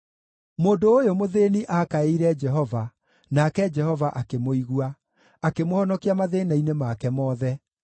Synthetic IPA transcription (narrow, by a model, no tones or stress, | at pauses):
moːndoːjomoðeːniʔakaeiɾɛd͡ʒɛɦɔva | nakɛd͡ʒɛhɔvaʔakemoiɣwa | akemohɔnɔkiamaðeːnainemakɛmɔːðɛ